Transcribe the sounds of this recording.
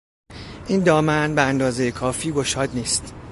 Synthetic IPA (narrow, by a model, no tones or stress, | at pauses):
ʔiːnd̪ɒːmænbeænd̪ɒːze̞jekʰɒːfiːɡo̞ʃɒːd̪niːst̪